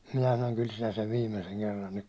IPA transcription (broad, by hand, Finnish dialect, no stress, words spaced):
minæ sɑnoŋ kyl sinæ seʋ ʋiːmeseŋ kerːɑn nyk